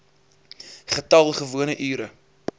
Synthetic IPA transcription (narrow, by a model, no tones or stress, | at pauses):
χətɐlˠχəvuənəʔyːɾə